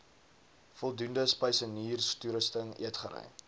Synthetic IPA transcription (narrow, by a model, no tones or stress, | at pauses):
fɔlˠdundəspəjsəniːrstuɾəstəŋiətχəɾɛ̰j